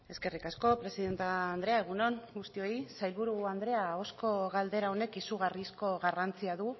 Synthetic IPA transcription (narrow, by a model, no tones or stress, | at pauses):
e̞ske̞rikasko̞pɾe̞siðe̞nt̪aːnd̪ɾe̞aeɣuno̞ŋɡust̪io̞isajlβuɾuand̪ɾe̞ao̞sko̞ɣald̪e̞ɾao̞ne̞kisuɣ̞arisko̞ɣarant͡siaðu